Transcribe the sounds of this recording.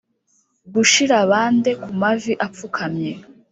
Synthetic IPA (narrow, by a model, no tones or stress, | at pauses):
ɡuʃiɾaβaːnde̞kumaviʔap͡fukʰamɲe